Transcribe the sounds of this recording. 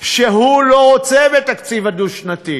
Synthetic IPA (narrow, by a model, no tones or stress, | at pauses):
ʃeɦuloʁot͡sebet̪akt͡sivad̪uʃnat̪i